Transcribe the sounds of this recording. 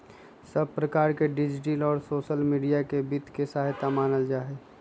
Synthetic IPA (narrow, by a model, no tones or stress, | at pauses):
səb̚ʱpɾəkaːɾkeɖɪd͡ʒʈiːlɔːɾsoːʃəlmiːɖijakebɪt̪kesaːɦt̪amaːnəld͡ʒaːɦɛ